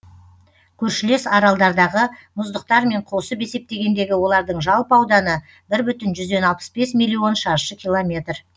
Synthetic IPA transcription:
kʲʰɵɾʃɪle̞sɑɾɑlˠd̪ɑɾd̪ɑʁəmʊzd̪əq̚t̪ɑɾme̞ɴqʰo̞səbe̞se̞p̚t̪e̞ɡʲe̞nd̪e̞ɡʲɪwo̞lˠɑɾd̪əɴʒɑlˠpɑwd̪ɑnə | bɪɾbʏt̪ɪnʒʏzd̪e̞nɑlˠpə̥sbe̞smʲijlʲːio̞nʃɑɾʃəkʲʰijlˠomʲe̞t̪r

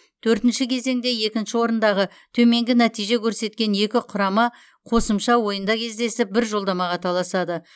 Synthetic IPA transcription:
t̪ʰɵɾt̪ɪnʃɪkʲʰe̞ze̞ŋd̪e̞je̞kʲɪnʃɪwo̞ɾənd̪ɑʁə | t̪ʰɵme̞ŋɡʲɪnæt̪ijʒe̞kʲʰɵɾse̞t̪kʲe̞nje̞kʲɪqʰʊɾɑmɑ | qʰo̞səmʃɑwo̞jənd̪ɑkʲʰe̞zd̪e̞sɪp̚bɪɾʒo̞lˠd̪ɑmɑʁɑt̪ʰɑlˠɑsɑd̪ə

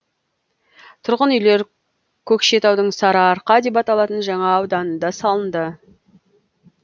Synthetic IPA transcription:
t̪ʰʊɾʁənʏjle̞ɾ | kʲʰɵkʃe̞t̪ɑwd̪əɴsɑɾɑːɾqɑd̪e̞p̬ɑt̪ɑlˠɑt̪ənʒɑɴɑːwd̪ɑnənd̪ɑsɑlˠənd̪ə

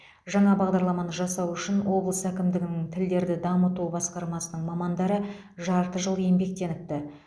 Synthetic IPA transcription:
ʒɑɴɑbɑʁd̪ɑɾlˠɑmɑnəʒɑsɑwʏʃɪnwo̞blˠəsækʲɪmd̪ɪɡʲɪnɪŋt̪ʰɪld̪e̞ɾd̪ɪd̪ɑmət̪ubɑsqɑɾmɑsənəɴmɑmɑnd̪ɑɾə | ʒɑɾt̪əʒəlˠje̞mbe̞k̚t̪e̞nɪp̚t̪ɪ

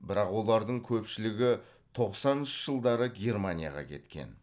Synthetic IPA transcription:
bɪɾɑqwo̞lˠɑɾd̪əɴkʲʰɵpʃɪlɪɡʲɪ | t̪ʰo̞qsɑnʃəʒ̥əlˠd̪ɑɾəɡʲe̞rmanʲija̰ʁɑ̰kʲʰe̞̰t̪kʲe̞̰n

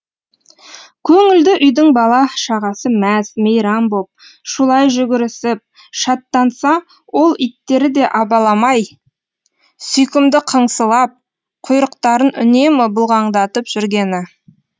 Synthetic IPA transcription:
kʲʰɵŋɪld̪ɪʔʏjd̪ɪŋbɑlˠɑʃɑʁɑsəmæsmejɾɑmbop̚ | ʃʊlˠɑjʒʏɡʲɪɾɪsɪp̚ | ʃɑt̪ːɑnsɑ | wo̞lˠit̪ːe̞ɾɪd̪e̞ʔɑbɑlˠɑmɑj | sʏjkʲɪmd̪ɪqʰəɴsəlˠɑp̚ | qʰʊjɾəq̚t̪ɑɾənʏ̰ne̞mɪbʊlˠʁɑɴd̪ɑt̪əpʒ̥ʏɾɡʲe̞nɪ

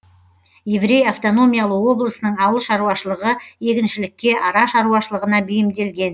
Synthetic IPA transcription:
je̞vɾe̞jaft̪o̞no̞mʲijalˠəwo̞blˠəsənəɴɑwəlˠʃɑɾuwɑʃəlˠəʁəje̞kʲɪnʃɪlɪkʲːe̞ʔɑɾɑʃɑɾuɑʃəlˠəʁənɑbʏjɪmd̪e̞lɡʲe̞n

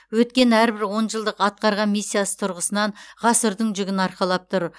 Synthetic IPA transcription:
wɵt̪̚kʲe̞næɾbɪɾwo̞nʒəlˠd̪əqɑt̪̚qɑɾʁɑnmijsʲːijasə̥t̪ʰʊɾʁəsənɑɴʁɑsəɾd̪əɴʒʏɡʲɪnɑɾqɑlˠɑp̚t̪ʰʊɾ

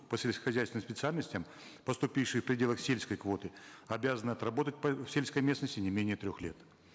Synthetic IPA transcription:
pəsʲelʲskə̥xɐzʲæjsʲnɨmspʲɪt̪sɨalʲnəsʲtʲəm | pəst̪ʊpʲifʂɨjfpɾʲɪdʲelˠəxsʲelʲsʲkəjkvo̞t̪ɨɐbʲazənɨɐt̪ɾɐbo̞t̪ət̚ʲpəfsʲelʲskəjmʲe̞snəsʲtʲɪnʲɪmʲenʲɪjət̪ɾʲoxlʲe̞t̪

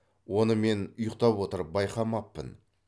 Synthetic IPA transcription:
wo̞nəme̞nʊjəq̚t̪ɑpwo̞t̪əɾpbɑjqɑmɑpːə̰n

